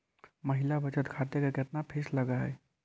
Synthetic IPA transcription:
məɦɪlabʱət͡ʃət̪kʰaːt̪jəkeket̪napʰeːsləɡaɦɛː

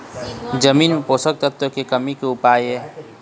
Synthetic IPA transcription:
d͡ʒəmiːnmẽpoːsək̚t̪ət̪əkekəmikeʊpaːjɦɛː

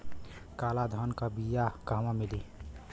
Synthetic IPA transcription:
kaːlad̪ʱɔnkabijakamãmili

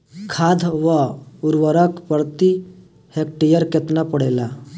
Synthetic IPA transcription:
kʰad̪ʱʋəuɾʋəɾəkpəɾt̪i | hek̚ʈijəɾket̪napəɽela

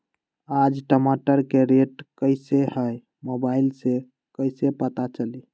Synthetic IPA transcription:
ad͡ʒʈəmaʈəɾkeɾeʈkəɪsehəj | mobailse | kəɪsepət̪at͡ʃəli

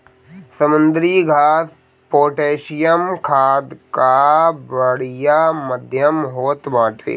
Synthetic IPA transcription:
səmʊnd̪ɾiɡʱaːs | poːʈeːʃɪjəmkʰaːd̪kabəɽijaːməd̪ʱjəmɦoːt̪mãːʈʰḛː

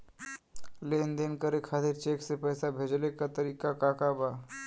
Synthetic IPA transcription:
leːnd̪enkəɾekʰaːt̪iɾt͡ʃeːksepɛjsabʱeːd͡ʒlekat̪əɾiːkakakabaː

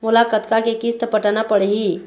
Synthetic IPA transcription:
mʊlakət̪kakekist̪əpəʈanapəɽɦi

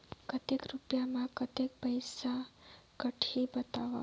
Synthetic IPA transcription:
kət̪ekɾupjamãkət̪ek̚pəjsakəʈʰibət̪aʋa̰

